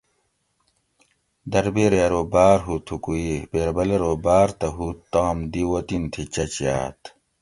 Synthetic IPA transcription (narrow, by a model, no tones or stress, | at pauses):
d̪ɐɾbeɾeɾoːbaːɾɦut̪ʰukuibeːɾbɐleɾoːbaːɾt̪ɐɦut̪ːãːmd̪iwɐt̪int̪ʰit͡ɕɐt͡ɕja̰ːt̪